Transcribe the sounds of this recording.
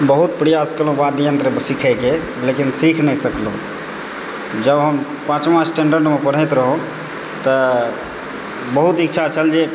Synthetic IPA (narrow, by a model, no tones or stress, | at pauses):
bəɦut̪̚pɾijaskəlũʋad̪jənt̪ɾəbsikʰəjke | lekinsikʰnɛsəklũ | d͡ʒəbɦəm | pãt͡ʃmasʈeɳɖəɾɖmepəɽ̤əjt̪ɾəɦũ | t̪ə | bəɦut̪ikt͡ʃʰat͡ʃʰəld͡ʒe